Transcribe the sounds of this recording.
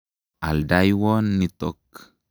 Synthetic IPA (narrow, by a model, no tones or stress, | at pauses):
a̰ldajwonːitok